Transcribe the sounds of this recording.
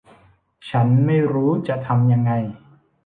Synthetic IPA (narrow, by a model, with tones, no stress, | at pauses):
t͡ɕʰa˦˥nma˥˩jɾuː˦˥t͡ɕa˨˩t̪ʰa˧mja˧ŋːa˧j